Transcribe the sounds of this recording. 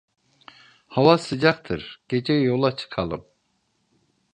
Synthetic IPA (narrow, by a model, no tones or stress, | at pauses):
havasɯd͡ʒak̚t̪ʰɯɾɟ̥e̞d͡ʒɛjolˠat͡ʃʰɯ̥kʰalˠɯm